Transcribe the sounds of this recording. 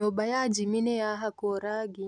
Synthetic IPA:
obajad͡ʒiminejaɦakɔɾaɡi

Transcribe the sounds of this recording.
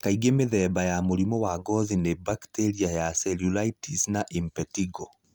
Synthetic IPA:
kaiɣemeðɛːbajamoɾimɔwaɡɔzinebakteɾiajasɛljulaitisnaʔimpɛtiɡɔ

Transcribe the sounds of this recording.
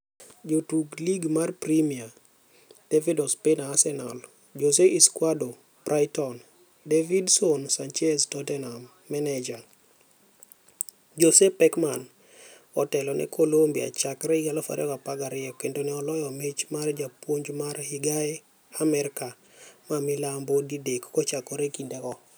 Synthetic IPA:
d͡ʒotuɡliɡmarpɾimia | d̥evidɔspenaːsɛna̰l | d͡ʒos̬eʔiskwado | b̥rʔajtɔn | devidsonsant͡ʃɛstɔtɛnamːɛnɛd͡ʒa | d͡ʒosepɛkman | ɔtɛlɔnʔɛ̰kʰolombia̰t͡ʃakɾɛiɡalɔfa̰ɾʔɛ̰kapaɡaɾɪɔkendonɛɔlɔjɔmet͡ʃmard͡ʒapwoɲd͡ʒmarhiɡaɛ | amɛɾka | mamɪlambodidekkɔt͡ʃakɔɾɛkindɛkɔ

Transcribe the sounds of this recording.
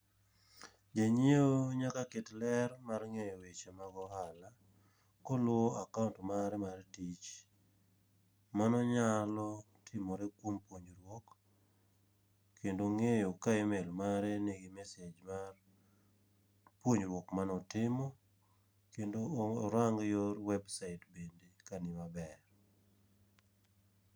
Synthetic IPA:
d͡ʒaɲeoɲakakɪtlɛrmarŋejowet͡ʃemaɡɔhala | kɔlʊɔakaʊntmaɾɛmartit͡ʃ | manɔɲalɔ | tʰɪmɔɾɛkwompwoɲɾwɔk | kʰːendoŋejokajemelmaɾɛneɡɪmɛsed͡ʒmar | pwoɲɾwɔkmanɔtɪmɔ | kendoɾaŋɡjoɾwɛbsaɪtbendekanɪmabɛr

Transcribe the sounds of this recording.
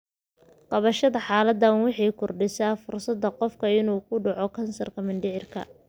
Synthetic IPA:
qɑβɐʃɐðɐħɑːlɐd̪ɐnwɑħɑjkʰʊrɖɪsaːfʊrsɐd̪ːɐqɔfkʰɐɪnuːkʰʊɖɑʕɔkʰɐnsɐrkʰɐmɐnɖɪʕɪrkʰɐ̰

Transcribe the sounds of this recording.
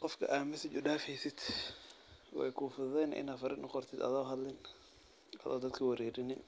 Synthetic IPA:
qɔfkʰɐ̰ʔaːmɪsɪt͡ʃʊɖaːfɛjsɪd̪ | wɛ̰jkʰuːfʊðɛjnʔɪ̰naːfɐɾɪnɐqɔrt̪ʰɪd̪ɐ̰ðɔːɦɐlɪn | ʔɐ̰ðɔ̰ːd̪ɐd̪kʰɐwɐɾɛːɾɪnɪn

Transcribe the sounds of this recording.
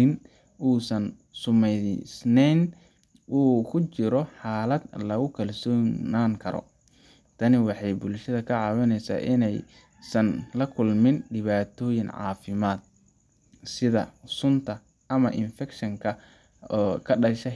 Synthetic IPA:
ɪn | uːsɐn | sʊmɛsnɛn | uːkʰʊt͡ʃɪɾɔħaːlɐd̪lɐɣʊkʰɐlsɔːnaːŋkʰɐɾɔ̰ | t̪ʰɐnɪwɑħɑjbʊlʃɐðɐkʰɐʕɑːwɐnɛjsa̰ːʔɪnɛj | sɐnlɐkʰʊlmɪnɖɪβaːt̪ʰɔːjɪŋʕɑ̰ːfɪmaːd̪̚ | sɪðɐ̰sʊnt̪ʰɐ | ʔɐmɐʔɪnfɛkʃɐŋkʰɐ | ɔːkʰɐɖɐʃɛ

